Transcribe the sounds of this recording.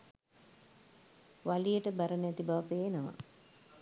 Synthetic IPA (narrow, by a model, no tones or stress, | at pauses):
ʋalijəʈəbaɾənɛt̪ibaʋəpeːnoʋa̰